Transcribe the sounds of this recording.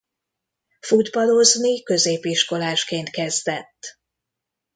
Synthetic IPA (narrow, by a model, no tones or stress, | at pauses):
fud̪bɒlo̞znikø̞zeːpiʃko̞laːʃkeːnt̪kɛzd̪ɛt̪ː